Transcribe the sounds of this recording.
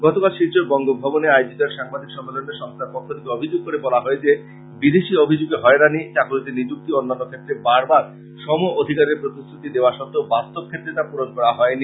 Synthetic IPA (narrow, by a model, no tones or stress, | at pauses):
ɡɔt̪okalʃiɾt͡ɕoɾbɔŋɡobʱɔboneajod͡ʑit̪aɾʃaŋbad̪ʱikʃɔmbeloneɾʃɔŋst̪ʰaɾpokʰːot̪ikeobʱid͡ʑoɡ̚koɾebɔlaɦɔed͡ʑe | bid̪eʃiobʱid͡ʑoɡeɦɔeɾanit͡ɕakolit̪enid͡ʑuk̚t̪ionːanːokʰet̪ːɾebaɾbaɾ | ʃɔmood̪ʱikaɾeɾpɾot̪ist̪ɾut̪id̪eoaʃɔt̪ːobast̪ob̚kʰet̪ːɾet̪apuɾoʃkɔɽaɦɔeni